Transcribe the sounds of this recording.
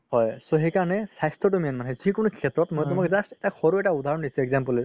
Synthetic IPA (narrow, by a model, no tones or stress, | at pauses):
hɔjsoɦekaɹnɛsajstʰɔtumijɔnmanɦɛzikʊnokʰetɹɔtmojtumakzastɛtaxʰɔɹuɛʈaudʱaɹɔndisuɛɡzampɔlɔ